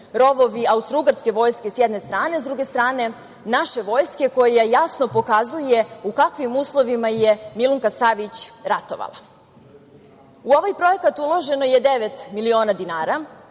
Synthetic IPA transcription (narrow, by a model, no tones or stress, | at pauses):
ɾo̞ʋo̞ʋiaust̪ɾuɡaɾske̞ʋo̞ːjske̞sjɛd̪ne̞st̪ɾaːnezd̪ɾuɡest̪ɾaːne̞ | naʃe̞ʋo̞ːjske̞ko̞jajasno̞po̞kazuje̞ukakʋimuːslˠo̞ʋimajemilˠuŋkasaʋit͡ɕɾat̪o̞̰ʋa̰lˠa̰ | uo̞ʋajpɾo̞e̞kat̪ulˠo̞ʒe̞no̞jed̪eʋet̪milio̞ːnad̪inaːɾa